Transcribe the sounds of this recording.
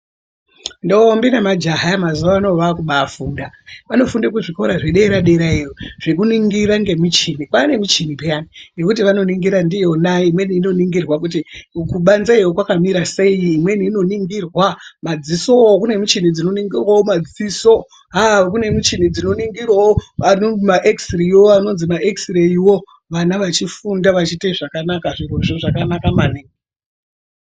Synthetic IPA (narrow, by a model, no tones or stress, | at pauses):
ndoːmbinamad͡ʒaɦaamazuʋaːno̞ʋakuɓafuːndaʋano̞fundek̬uʐikoɾaʐeɗeeɾaɗe̞ɾaeroʐ̥ekuniŋɡiraŋɡe̞mit͡ʃinikwane̞mit͡ʃinipeaninekut̬iʋano̞niŋɡiɾandijo̞naimwe̞niːno̞niŋɡirwakut̬ikuɓanzaiwokwakamiɾase̞jiːmwe̞niːno̞niŋɡirwamad͡ziso̞kune̞mit͡ʃinid͡zino̞niŋɡirwawomad͡ziso̞ | ɦak̬une̞mit͡ʃinid͡zino̞niŋɡirwaoanomaʔeksiriiwoano̞nzimaʔeksireiwo̞ | ʋanaʋat͡ʃifundaʋat͡ʃiteʐakanakaʐiroʐoʐakanakamaniŋɡe